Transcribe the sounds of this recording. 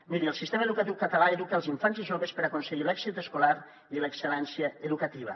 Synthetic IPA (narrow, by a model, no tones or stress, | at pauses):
miɾiəlˠsist̪eməeðukət̪iwkət̪əlaeðukəlˠziɱfanziʒoβəspəɾakunseɣilɛkzit̪əskolaɾ | iləkselɛnsjəəðukət̪iβ̞ə̰